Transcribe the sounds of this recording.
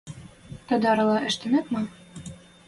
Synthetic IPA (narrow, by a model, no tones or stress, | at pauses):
t̪ɤ̆d̪ɑɾɤ̆lˠɑʔɘ̆ʃt̪ɘ̆nɘpmɤ